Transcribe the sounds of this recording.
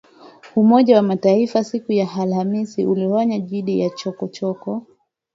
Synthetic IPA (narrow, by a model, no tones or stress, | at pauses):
umɔʄawamataifasikujaalhamisiuliwaɲaʄiɗijat͡ʃɔkɔt͡ʃɔkɔ